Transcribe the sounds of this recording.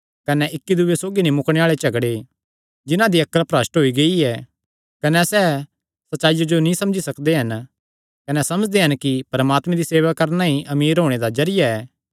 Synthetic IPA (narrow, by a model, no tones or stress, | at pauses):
kɐnɛʔɪkːid̪ʊʋesoːɡinĩmʊkɽ̃eaːɭet͡ʃɐɡɽe | d͡ʒɪnãd̪iɐkːəlpɾɐsʈɦoiɡɐiɛː | kɐnɛsɛ | sɐtːʃaːijod͡ʒonĩsɐ̃md͡ʒisɐkd̪eɦɐn | kɐnɛsɐməd͡ʒd̪eɦɐnkipɐɾmaːt̪mɛ̃d̪iseːʋakɐɾnaɦĩʔɐmiːɾɦoːɽ̃ed̪ad͡ʒɐɾɪjaɛː